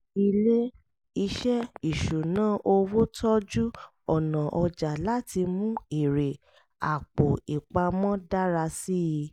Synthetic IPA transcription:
i˧le˦ | i˧ʃɛ˦i˦˨ʃu˨nãː˨˦ʔo˧wo˦tʰɔ˦d͡ʒu˦ | ɔ˨nã˨ʔɔ˧d͡ʒa˨la˦ti˧mũ˦i˦˨ɾe˨ | a˨k͡po˨i˨k͡pa˧mɔ̃˦da˦ɾa˧si˦i˧

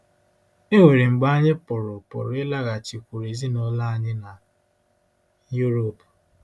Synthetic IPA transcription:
e˦ŋʷe˨ɾi˨ŋ͡m̩˨ɡ͡ba˦a˦ɲɪ˦pʊ˨ɾʊ˨pʊ̰˨ɾʊ˨˦ɪ˦la˦ɣa˨t͡ʃi˨kʷu˨ɾe˨zi˦no˦la˦a˦ɲɪ˦na˨ | ju˦ɾo˨p

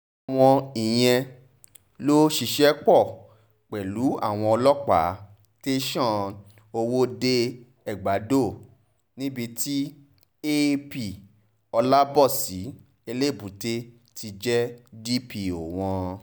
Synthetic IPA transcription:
a˨w̃ɔ̃˧i˨j̃ɛ̃˧ | lo˦ʃi˦˧˨ʃɛ˦k͡pɔ˦˨ | k͡pɛ˨lu˨˦a̰˦˨w̃ɔ̃˧ɔ˧lɔ˦k͡pa̰˨˦ | te˦ʃã˦˨ | o˧wo˦de˧ | ɛ˨ɡ͡ba˨˦do˦˨ | nĩ˦bi˧ti˦ | e˦pi˨ | ɔ˧la˦bɔ˦˨si˨˦ | e˧le˦˨bu˨te˦ | ti˧d͡ʒɛ˦di˦pi˧˨o˨w̃ɔ̃˧

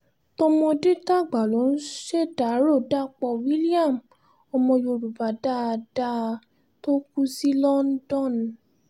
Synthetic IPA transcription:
to˦mɔ̃˧di˦ta˦˨ɡ͡ba˨lo˨˦n̩˦ʃe˦da˨˦ɾo˦˨da˦˨k͡pɔ˧˨wi˦li˦a˦˨m | ɔ˧mɔ̃˧jo˧˨ɾu˨va˨˦da˦˧da˦˧ | to˦ku˦si˦lɔ˦n̩˦dɔ̃˦˨n˨

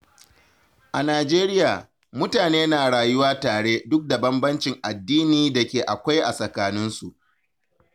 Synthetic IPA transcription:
ʔa˨naː˨d͡ʒeː˦ɾɪ˦jaː˨ | mʊ˦taː˨neː˦naː˨ɽaː˨jʊ˦waː˦taː˨ɽeː˦dʊ˦k̚da˨bɐ˦mbɐ˦nt͡ʃɪ˨ŋʔa˨dːiː˦niː˨da˨kʲeː˨ʔa˨kʷa˦jʔa˨sɐ˨kaː˦nɪ˦nsu˨ʔ

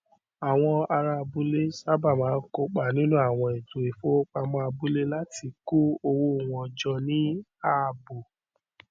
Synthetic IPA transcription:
a˨w̃ɔ̃˧a˧ɾa˧bu˨˦le˦sa˦ba˦˨mãː˨˦ko˧k͡pa˨nĩ˦nũ˦a˦˨w̃ɔ̃˧e˨to˨e˨fo˨˦k͡pa˧mɔ̃˧a˧bu˦le˦la˦ti˧ku˦o˧wo˧˨w̃ɔ̃˨˧d͡ʒɔ˧nĩ˦a˦˨bo˨

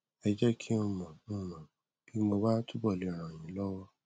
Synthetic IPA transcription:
ɛ˧d͡ʒɛ˦kʰi˦õ˧mã˨nũ˦˨mã˨ | b̥i˦mo˧ba˦tu˦bɔ˦˨li˨˦ɾ̃ã˨ĩ˨˦lɔ˦wɔ˦

